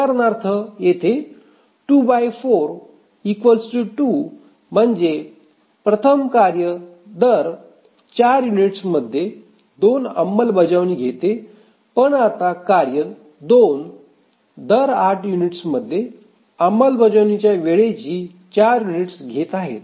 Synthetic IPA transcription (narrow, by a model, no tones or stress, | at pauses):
aɾnaɾt̪ʰəjet̪ʰe | ʈubajfoɾ | ikʋəlsʈuʈu | m̤əɳd͡ʑe | pɾət̪ʰəmkaɾjə | d̪əɾ | t͡ɕaɾjuniʈsməd̪ʱːje | d̪onə̰mːəlbəd͡ʑəʋniːɡʱet̪e | pəɳat̪akaɾjə | d̪on | d̪əɾaʈʰjuniʈsməd̪ʱːje | əmːəlbəd͡ʑəʋnit͡ɕjaʋeɭet͡ɕiː | t͡ɕaɾjuniʈsɡʱet̪aɦḛt̪